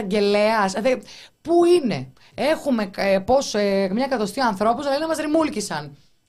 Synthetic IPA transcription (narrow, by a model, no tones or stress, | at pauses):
ɐɲɟe̞leɐsðepuine̞̰ | exume̞po̞semɲɐkɐðo̞st̪ioɐnθɾo̞pusɐlɐinemɐzɾimulcisɐn